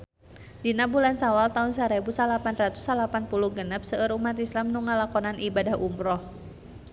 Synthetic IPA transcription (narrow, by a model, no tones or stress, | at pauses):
dinabulansawalt̪aunsaɾɛbusalapanrat̪u̥salapanpuluhɡənəp̚səəɾumat̪islamnuŋalakɔnanʔibadahʔumɾɔh